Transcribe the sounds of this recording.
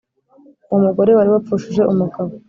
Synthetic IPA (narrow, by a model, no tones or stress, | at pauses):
umuɡo̞ɾe̞waɾiβap͡fuʃiʒe̞ʔumuɡaβo